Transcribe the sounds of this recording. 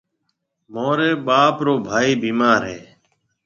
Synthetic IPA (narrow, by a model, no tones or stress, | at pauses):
moːɾeːɓaːpɾoːbʱaːiːbiːmaːɾɦeː